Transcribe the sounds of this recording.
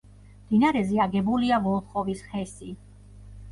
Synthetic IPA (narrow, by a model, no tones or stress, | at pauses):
md̪̥inaɾɛziaɡɛbuliavɔlˠt̪χʼɔvisχɛsi